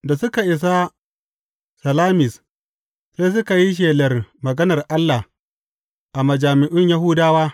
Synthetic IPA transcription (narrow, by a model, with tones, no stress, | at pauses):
da˨sʊ˦ka˨ʔɪ˨s̬a˦ | sɐ˨laː˦mɪ˨s | se˦s̬ʊ˦ka˨ji˦ʃ̬eː˨lɐ˨rmɐ˨ɡɐ˦nɐ˨rʔa˦lːa˨h | ʔa˨mɐ˨d͡ʒaː˨mɪ˨ʔʊ˦ɲja˦ɦʊ˦daː˦waː˦